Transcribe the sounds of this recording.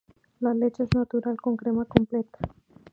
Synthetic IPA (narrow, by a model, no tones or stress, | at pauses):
lalet͡ʃeznat̪uɾalkoŋkɾemakomplet̪ḁ